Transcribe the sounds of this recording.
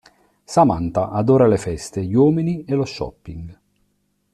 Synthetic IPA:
sama̰nt̪aʔad̪oːɾalefɛst̪eʎwɔːminieloʃːɔ̰pːḭŋɡ

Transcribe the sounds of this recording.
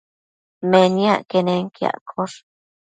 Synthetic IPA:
meniaʔkeneŋkja̰ʔkʰoɾ

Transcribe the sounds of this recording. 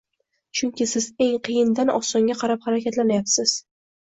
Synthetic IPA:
t͡ʃʰʊŋkʲɪsɪze̞ŋqʰɨjɪnd̪anɒ̰sɒŋɡʲaqʰɑɾaphɑɾakʲat̪lanajapsɪz̥

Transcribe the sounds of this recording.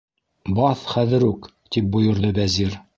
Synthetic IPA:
bɑθχæðɘ̆ɾʉk | t̪ip̚bujŏɾðɤbæziɾ

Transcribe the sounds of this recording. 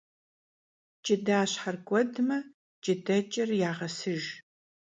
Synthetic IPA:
t͡ʃʼɪdaːɕħarkʷʼɔdmɐ | t͡ʃʼɪdɐt͡ʃʼɐrjaːʁɐsɨʒ

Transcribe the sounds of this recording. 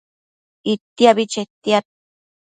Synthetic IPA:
it̪ːiaβit͡ʃet̪ːiat̪̚

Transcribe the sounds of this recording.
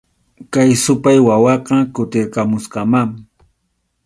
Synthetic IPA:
kajsʊpajwawɑqɑkʊt̪ɪɾkamʊsqɑmaŋ

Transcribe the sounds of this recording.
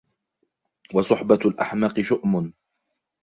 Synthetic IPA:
wɑsˤʊħbalʔa̰ħmaːqɨʃʊʔmʊn

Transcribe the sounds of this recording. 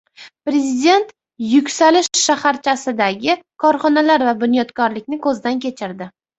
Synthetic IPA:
pɾe̞zid̪e̞nt̪ | jʊkʲsalɪʃːahaɾt͡ʃʰasɪd̪aɡʲɪkʰɒɾχɒnalaɾvabʊnjɒt̪kʰɒɾlɪkʲnɪkʰɵzd̪ankʲʰe̞t͡ʃʰɪɾd̪ɪ

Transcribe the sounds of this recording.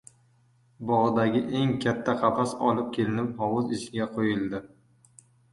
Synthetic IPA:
bɒʁd̪aɡʲɪʔe̞ŋkʲʰat̪ʰːaqʰɑfasɒ̰lɪp̚kʲʰe̞lɪnɪp̚hɒwʊzɪʃɡʲaqʰojɪlˠd̪ɪ

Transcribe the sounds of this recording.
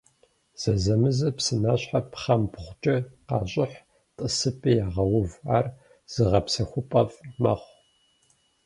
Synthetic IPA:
z̥ɐzɐmɨzɐpsɨnaːɕħapχɐmpχʷt͡ʃʼɐqɑːɕʼɪħ | tʼɨsɨpʰʼijaːʁɐwʊvaːr | z̥ɨʁɐpsɐxʷʊpʼɐvmɐ̰χʷ

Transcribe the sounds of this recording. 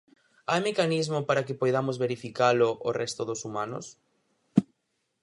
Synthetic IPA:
ajmekanizmʊpaɾakɪpojðamozβeɾifikalʊʔorɛst̪ʊðʊsumanʊ̰s

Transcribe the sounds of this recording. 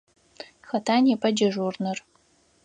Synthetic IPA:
xɐtʰaːnɛpʰʼɐd͡ʒɐʒurnɨr

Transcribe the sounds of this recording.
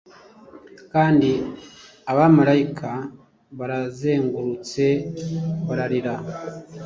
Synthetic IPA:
kaːndi | aβamaɾajikʰa | βaɾaze̞ːŋɡuɾut͡se̞ | βaɾaɾiɾa

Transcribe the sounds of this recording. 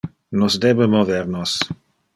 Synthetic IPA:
nosd̪ɛbəmovɛɾnos

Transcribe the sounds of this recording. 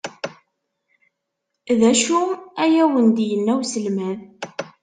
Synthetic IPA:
ðæʃuæjæwənd̪jənːæwsəlmæð

